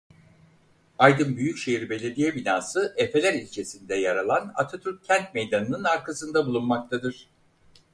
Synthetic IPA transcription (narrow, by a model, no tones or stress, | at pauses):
ajd̪ɯnbyjycʃejiɾbe̞lʲe̞d̪ijɛbinaːsɯʔepe̞lʲæɾilʲt͡ʃʰe̞sind̪ɛjaɾalˠana̰t̪ʰat̪ʰyɾ̚cʰænt̪̚me̞jd̪anɯnɯnaɾkʰasɯnd̪abulˠunmak̚t̪ʰad̪ɯɾ̥